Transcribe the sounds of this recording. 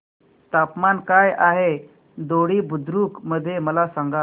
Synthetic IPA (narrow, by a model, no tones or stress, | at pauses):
t̪apmankajaɦe | d̪oɽiːbud̪ɾuːkməd̪ʱːjeməlasãŋɡa